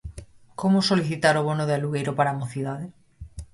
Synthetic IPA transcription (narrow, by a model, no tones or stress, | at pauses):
komosoliθit̪aɾoβ̞onoð̞ealuɣejɾopaɾamoθiðaðe